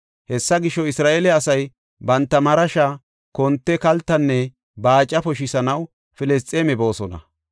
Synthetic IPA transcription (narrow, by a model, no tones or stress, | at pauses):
hɛsːɐɡɪʃɔɪsɾaːʔelɛɐsɐj | bɐnt̪ːɐmɐɾɐʃa | kɔnt̪ːɛkɐlt̪ːɐnːɛ | baːt͡ʃʼːɐpɔʃɪsɐnɐw | fɪlɛs̬t͡sʼeːmɛbo̞ːsɔnɐ̰